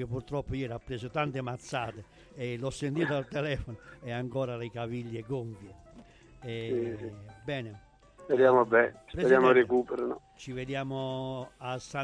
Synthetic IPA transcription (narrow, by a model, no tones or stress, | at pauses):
epːuɾt̪ɾɔpːʊjɛːɾapːɾeːsot̪ant̪emat̪sːaːt̪e | ɛlɔsːent̪iːt̪oalt̪ɛlɛːfɔnoɛaŋkɔːɾalekaviʎːekoɱfje | ɛ | bɛːne | ved̪jaːmobɛt͡ʃpɾed̪aːmoɾekuːpɛɾnɔ | t͡ʃived̪jaːmʊasːa